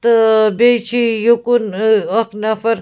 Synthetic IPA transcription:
t̪bet͡ʃʰijukunɐknɐfɐɾ

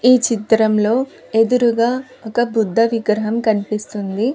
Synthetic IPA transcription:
iːt͡ʃit̪ɾɐmlo̞ː | e̞d̪uɾuɡaː | ɔkɐbud̪ʱːɐʋiɡɾɐɦɐmkɐnipist̪und̪i

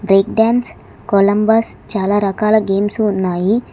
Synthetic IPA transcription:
bɾeːkɖaːns | kolɐmbɐst͡ʃaːlaːɾɐkaːlɐɡe̞ːmsuːnːaːji

